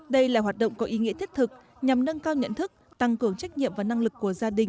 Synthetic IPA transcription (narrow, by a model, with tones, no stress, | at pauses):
ɗə˧jlaː˨˩ɦwaː˨˩t̚ɗə̰˧˨wŋ͡mkɔ˨˦ʔi˨˦ŋḭ˧˥ət̪ʰt̚t̪ʰɨ˨˩k̚ | ɲa˨˩mnə˧nkaː˧wɲə̰˧˨nt̪ʰɨ˦˥k̚t̪a˧ŋkɨ˧˩əŋt͡ɕa˦˥jk̟̚ɲḭ˧˨əmvaː˨˩na˧ŋlɨ˨˩kːu˧˩əzaː˧ɗï˨˩ŋ̟